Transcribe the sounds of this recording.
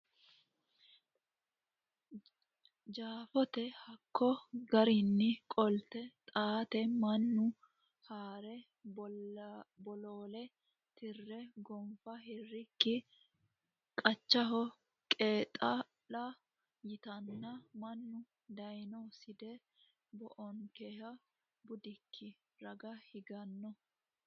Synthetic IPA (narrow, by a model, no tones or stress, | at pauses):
d͡ʒaːfɔt̪ɛhɐkʰːɔɡɐɾɪnːɪkʼɔlt̪ɛt̪ʼaːt̪ɛmɐnːʊ | haːɾɛ | bɔloːlɛ | t̪ɪrːɛɡɔmfɐhɪrːɪkːɪ | kʼɐt͡ʃːɐɦɔ | kʼeːt̪ʼɐ | lɐ | jɪt̪ɐnːɐmɐnːʊ | d̪ɐjnɔsɪd̪ɛ | bɔʔɔŋkehɐ | bʊd̪ɪkʰːɪ | ɾɐɡɐhɪɡɐnːɔ